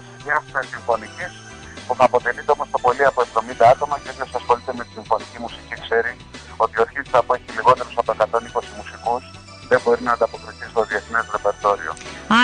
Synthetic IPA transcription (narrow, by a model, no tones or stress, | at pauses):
ɲɐsumesiɱfo̞nicis | puθɐːpo̞t̪e̞lit̪eo̞mo̞st̪o̞po̞liɐpoe̞vðo̞mind̪ɐɐt̪o̞mɐceðosɐsxo̞lit̪eme̞t̪i̥siɱfo̞nicimusicikse̞ɾi | o̞t̪io̞ɾçit̪ɐpoeçiliɣo̞t̪e̞ɾosɐpoekɐt̪o̞niko̞simusikus | ðe̞mbo̞ɾinɐːnd̪ɐpo̞kɾiθisi̥t̪o̞ðie̞θnezɾe̞pe̞ɾt̪o̞ɾḭo̞̰